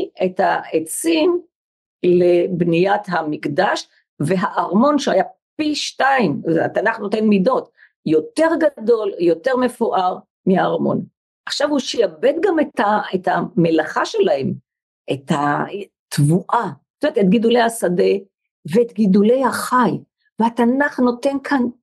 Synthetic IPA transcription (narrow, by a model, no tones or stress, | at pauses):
ethaet͡sim | lebnijat̪hamikd̪aʃ | veɦaʔaʁmo̞nʃeajapiʃtaima̰t̪anaχno̞t̪enmido̞t̪ | jo̞t̪e̞ʁɡado̞ljo̞te̞ʁme̞fuʔaʁ | miaːʁmo̞̰n | ʔaχʃavhuʃjabed̪ɡametaet̪amelaχaʃe̞lahe̞m | ʔet̪ha | tvuʔḁ | tomeet̪et̚ɡidulejhasade̞ | veet̪ɡidule̞jhaχaj | veat̪anaχno̞te̞nkʰan